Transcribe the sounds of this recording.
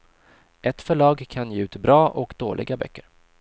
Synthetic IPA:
ʔɛt̪fœɭɑːɡkʰanjɛʉ̟ːt̪bɾɑːʔɔkd̪oːlʔɪ̰ɡabœ̰kːəɾ

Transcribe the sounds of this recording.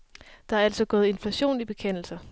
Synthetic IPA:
d̥ɑ̈æɐæl̰sɒ̽ɡ̥ɔ̽ːð̩ˠe̝nflæɕo̝̰ːnib̥e̝kʰen̰l̩sɐ

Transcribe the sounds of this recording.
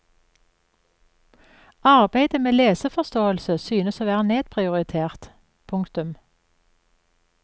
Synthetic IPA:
ɑʁbæɪd̪əmeːleːsəfɔst̪oːəlsəsyːnəsoːʋæːʁəneːd̪̥̚pʰʁɪʊʁɪt̪ʰeːʁt̪ | pʰʊŋkt̪ʉm

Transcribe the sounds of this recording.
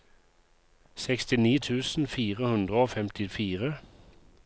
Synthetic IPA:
sɛkst̪ɪniːt̪ʰʉːsn̩fiːʁəhʉnd̪ʁəoːfɛmt̪ɪfiːʁə

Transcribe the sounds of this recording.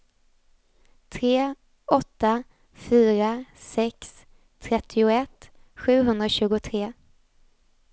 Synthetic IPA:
t̪ʰɾeː | ɔt̪ːa | fyːɾasɛks | t̪ʰɾɛt̪ʰːɪʊɛt̪ːɧʉ̟ːɦɵnd̪ɾaɕʉ̟ːɡʊt̪ʰɾeː

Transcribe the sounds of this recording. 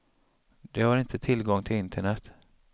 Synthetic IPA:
d̪ɛhaɾɪnt̪ʰət̪ʰɪlɡɔŋːt̪ʰɪlɪnt̪ʰəɳɛt̪

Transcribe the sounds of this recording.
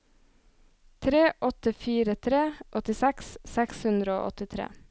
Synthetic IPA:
t̪ʰɾeːʔɔt̪əfiːɾət̪ʰɾeːʔɔt̪ɪsækssɛkshʉnd̪ɾəo̰ːʔɔt̪ɪt̪ʰɾḛː

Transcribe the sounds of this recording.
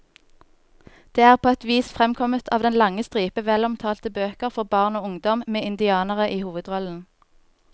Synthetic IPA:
d̪̥eːæːʁpʰoːɛt̪ʋiːsfʁɛmkʰɔmət̪ʰɑ̰ːʋd̪ɛnlɑŋəst̪ʁiːpəʋɛlʊmt̪ʰɑːlt̪əbøːkəʁfɔʁbɑːʁnoːʊŋd̪ɔmmeːɪnd̪ɪɑːnəʁəʔiːhuːʋəd̪ʁɔln̩

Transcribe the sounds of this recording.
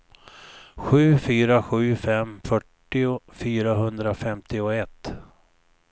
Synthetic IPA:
ɧʉ̟ːfyːɾaɧʉ̟ːfɛmfœʈːɪʊfyːɾaɦɵnd̪ɾafɛmt̪ɪʊɛt̪ː

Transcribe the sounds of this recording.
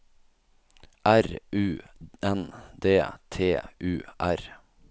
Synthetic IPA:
ʔæɾʔʉːɛnd̪eːt̪ʰeːʔʉːʔæɾ

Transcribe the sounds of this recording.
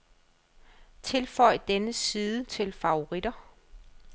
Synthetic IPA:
t͡sʰe̝lfɒɪ̰d̥enəsiːðˠət͡sʰe̝lfɑ̈oʁid̥ɐ

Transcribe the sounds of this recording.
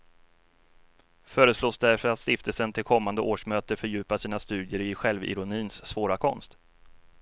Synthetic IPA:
fœːɾəsloːsd̪æɾfœɾat̪st̪ɪft̪əlsənt̪ʰɪlkʰɔmːand̪əʔoːʂmøːt̪əfœɾjʉ̟ːpasiːnast̪ʉ̟ːd̪jəɾɪɧɛlvɪ̰ɾʊniːnsːvoːɾakʰɔ̰nst̪

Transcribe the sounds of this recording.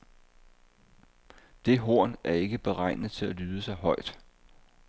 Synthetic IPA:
d̥e̝ɦo̝ɐ̰næɐe̝ɡ̥əb̥e̝ʁɑ̈ɪ̰nð̩ˠt͡sʰe̝lælyːð̞ˠəsɑ̈ɪɦɒ̽ɪ̰d̥

